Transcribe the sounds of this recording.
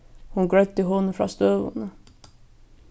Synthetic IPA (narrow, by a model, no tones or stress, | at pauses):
hʊnɡɹœʏt̪ːəɦɔnəfɾɑ̰ːst̪øːʋʊ̰nə